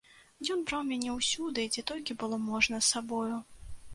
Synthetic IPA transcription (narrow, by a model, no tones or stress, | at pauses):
jʲɔnbɾawmʲanʲɛwsʲud̪ɨd͡zʲɛt̪ɔlʲkʲibɨlˠɔmɔʐnɐsːabɔju